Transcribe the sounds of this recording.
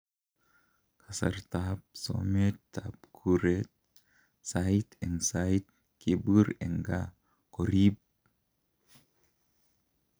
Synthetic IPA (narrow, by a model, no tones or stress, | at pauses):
kʰasa̰ɾt̪ap̚so̰met̪ːapkʰuɾet̪̚ | sait̪ensait̪̚ | kʰibɨɾḛŋɡa̰ | koɾib̚